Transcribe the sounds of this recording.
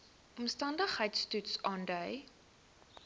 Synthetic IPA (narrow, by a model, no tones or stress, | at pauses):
ɔmstɐndəχɦəjtstutsɑːndœj